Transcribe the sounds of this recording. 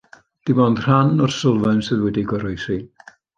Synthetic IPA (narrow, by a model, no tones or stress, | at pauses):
d̥ibɔndr̥anɔrsʊlˠvɛnsɨðwɛdiɡɔɾɔjsi